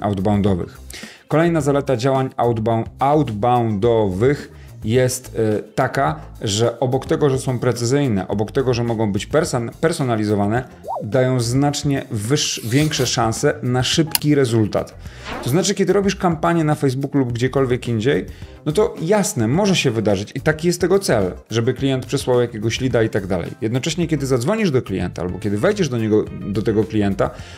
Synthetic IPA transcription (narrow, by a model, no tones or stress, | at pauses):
ʔa̰wd̪bawnd̪ɔvɘ̰x | kɔlɛjnazalɛt̪ad͡ʑawaɲaw̪awd̪bawnd̪ɔvɘx | jɛst̪ːakaʐɛʔɔbɔkt̪ɛɡɔʐɛsɔ̃w̃pɾɛt̪sɘzɘjnɛ̰ʔɔ̰bɔkt̪ɛɡɔʐɛmɔɡɔ̃w̃bɘt͡ɕpɾpɛɾsɔnalʲizɔvanɛ | d̪ajɔ̃w̃znat͡ʂɲɛvɘʂvʲjɛŋkʂɛʂãñsɛnaʂɘpkʲiɾɛzult̪a̰t̪t̪ɔznat͡ʂɘkʲɛd̪ɘɾɔbʲiʂkampaɲjɛnafɛjzbukulubɡd͡ʑɛkɔlvʲjɛkiɲd͡ʑejnɔt̪ɔjasnɛmɔʐɛɕɛvɘd̪aʐɘt͡ɕit̪akʲijɛst̪ːɛɡɔt̪sɛlʐɛbɘklʲijɛnt̪̚pʂɛswawjakʲeɡɔɕlʲid̪ait̪aɡd̪a̰lɛ̰jjɛd̪nɔt͡ʂɛɕɲɛkʲɛd̪ɘzad̪zvɔɲiʐd̪ɔklʲijɛ̰nt̪aa̰bɔkʲɛd̪ɘvɛjd͡ʑɛʐd̪ɔɲɛɡɔd̪ɔt̪ɛɡɔklʲijɛnt̪a̰